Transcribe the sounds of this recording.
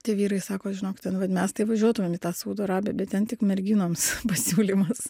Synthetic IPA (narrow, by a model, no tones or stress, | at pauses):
t̪ʲiɛʋʲiːɾɐɪsɑːkoːʒʲɪnoːkʲɪt̪ʲɛnʋɐt̪mʲɛst̪ɐɪʋɐʒʲuɔt̪ʊmʲeːmit̪ɑːsuːd̪oːɾɑːbʲɛːbʲɛt̪t̪ʲɛntʲɪkmʲɛɾʲɡʲinoːmspɐsʲuːlʲiːmɐs